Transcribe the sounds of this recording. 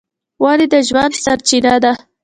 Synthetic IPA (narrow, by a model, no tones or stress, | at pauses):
wɑlid̪əʒwand̪saɾt͡ʃinad̪a